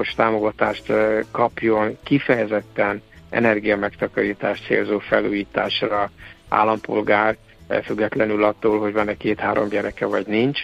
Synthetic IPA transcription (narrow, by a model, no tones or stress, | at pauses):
oʃt̪aːmo̞ɡɒt̪aːʃt̪kɒpjo̞nkifɛjɛzɛt̪ːɛnʔɛ̰nɛrɡijɒmɛkt̪ɒkɒɾiːt̪aːʃt̪sḛːlzoːfɛluːjiːt̪a̰ːʃrɒa̰ːlːɒmpo̞̰lɡaːr | fyɡːɛt̪lɛnylɒt̪ːoːlɦo̞ɟvɒnɛkeːt̪haːɾo̞̰mɟɛɾɛkɛvɒɟnint͡ʃ